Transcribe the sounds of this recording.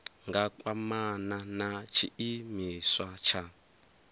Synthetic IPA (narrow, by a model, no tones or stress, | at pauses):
ŋɡakʼwamananat͡ʃʰiimiswat͡ʃʰa